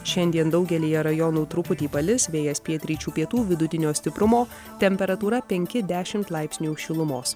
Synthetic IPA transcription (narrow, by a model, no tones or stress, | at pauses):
ʃʲɛnʲd̪ʲiɛnd̪ɒʊɡʲɛlʲiːjɛɾɐjɔnuːt̪ɾʊpʊt̪ʲiːpɐlʲɪsʋʲeːjɛspʲiɛt̪ʲɾʲiːt͡ʃʲuːpʲiɛt̪uːʋʲɪd̪ʊt̪ʲɪnʲoːsʲt̪ʲɪpɾʊmoː | t̪ʲɛmʲpʲɛɾɐt̪uːɾɐpʲɛŋʲkʲɪd̪ʲæːʃʲɪmt̪lˠɐɪpʲsʲnʲuːʃʲɪlˠʊmoːs